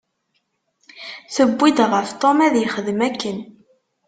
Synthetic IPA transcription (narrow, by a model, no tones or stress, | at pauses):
θəbːid̪ʁəft̪ˤomæðjəχəðmækːən